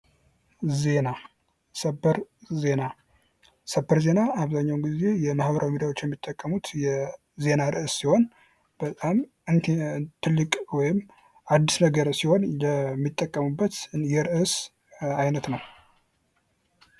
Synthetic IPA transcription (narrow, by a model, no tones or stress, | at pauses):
ze̞na | səbəɾze̞na | səbːəɾze̞naaβzaɲːawnɡize̞jɛmahbəɾʔawimid̪awo̞t͡ʃːjɛmːit̪ʼːəkʼːəmut̪jɛ | ze̞naɾɨʔsːiho̞n | b̥ət̪ʼam | ɨnt̪ʰɨlːɨkʼwɔjɪm | ʔad̪ːisnəɡəɾsiho̞njɛmːit̪ʼːəkʼːəmubːət̪jɛɾɨʔɨs | ajnət̪nəw